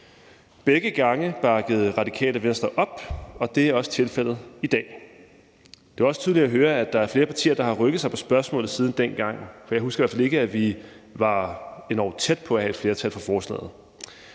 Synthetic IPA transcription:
b̥eɡ̥əɡ̥ɑ̈ŋəb̥ɑ̈ɡ̥əð̞̩ˠʁɑ̈d̥ikʰɛ̰ːləʋen̰sd̥ʁɐʔɒ̽b̥ɒ̽d̥e̝æɐɒ̽sə̥t͡sʰe̝lfel̰ð̩ˠid̥ɛ̰ː | d̥e̝ʋɑɒ̽sə̥t͡sʰyðˠli̥æɦøːɐæd̥ɑ̈æɐfle̝ːɐpʰɑ̈t͡sʰḭːɐd̥ɑ̈hɑ̈ʁœɡ̥ðˠs̬ɑ̈ɪpʰɒ̽sb̥ɶɐsmɔ̰̽ːlð̩ˠsiːð̞ˠn̩d̥enɡ̥ɑ̈ŋ̰fɒ̽jɑ̈husɡ̥ɐiæɐ̰fæle̝ɡ̥əæʋiʋɑ̈e̝nɒ̰ʊt͡sʰed̥̚pʰɒ̽æhæe̝d̥fle̝ːɐt͡sʰælfʁɑ̈fɒːslɛ̰ːð̞̩ˠ

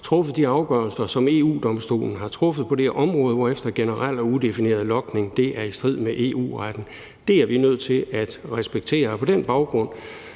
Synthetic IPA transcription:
t͡sʰʁɔ̽fəð̩ˠd̥iɑ̈ʊɡ̥ɶɐlsɐsɒ̽me̝̰ːṵːd̥ɒ̽msd̥o̝̰ːln̩ɦɑ̈t͡sʰʁɔ̽fəð̞̩ˠpʰɒ̽d̥e̝ʔɒ̽mʁɔ̽ːð̞ˠʋɒefd̥ɐɡ̥enəʁal̰ɒud̥e̝fine̝ːɐð̞ˠlɒ̽ɡ̥ne̝ŋd̥e̝ʔæɐisd̥ʁið̞̰ˠmeʔe̝̰ːṵːʁad̥n̩ | d̥e̝æɐʋinøð̞̰ˠt͡sʰe̝læd̥ʁɛsb̥eɡ̥̚t͡sʰe̝̰ːɐpʰɒ̽d̥enb̥ɑ̈ʊɡ̥ʁɔ̽n̰

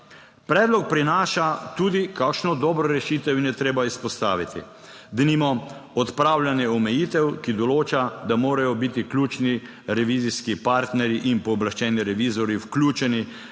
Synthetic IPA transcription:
pɾɛːd̪lɔk̚pɾinaːʃat̪uːd̪ikaːkʃnɔd̪ɔːbɾɔɾɛʃiːt̪ɛwinjɛt̪ɾeːbaispɔst̪a̰ːʋit̪ḭ | d̪ɛnimɔɔt̪pɾawljanjɛɔmɛjiːt̪ɛwkid̪ɔloːt͡ʃad̪amoːɾajɔbit̪iklʲuːt͡ʃni | ɾɛʋiːziskipaːɾt̪nɛɾjiʔinpɔːblaʃt͡ʃɛːniɾɛʋizɔɾjiwklʲuːt͡ʃɛni

